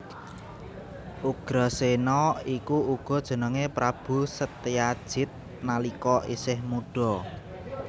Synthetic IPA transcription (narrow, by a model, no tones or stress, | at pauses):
ʔuɡ̥ɾɔsenɔikuuɡ̥ɔ̤d̥ʒ̥ə̤nəŋepɾab̥ṳsət̪ijad̥ʒ̥ɪ̤t̪̚ | nalikɔʔisɪhmuɖ̥ɔ